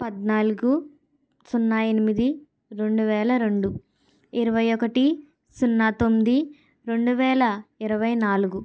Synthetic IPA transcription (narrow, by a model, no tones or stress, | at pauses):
pɐd̪naːluɡu | sunːaenimid̪i | ɾe̞ɳɖuʋɛːlɐɾe̞ɳɖu | iɾɐʋɐjɔkɐʈi | sunːaːt̪omːid̪i | ɾe̞ɳɖuʋɛːlɐiɾɐʋɐjnaːluɡu